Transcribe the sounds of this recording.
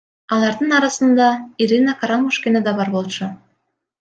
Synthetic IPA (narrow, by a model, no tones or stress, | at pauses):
ɑlˠɑɾd̪ɯnɑɾɑsɯnd̪ɑiɾʲinakaɾamuʃkʲened̪ɑbɑɾbo̞lˠt͡ʃu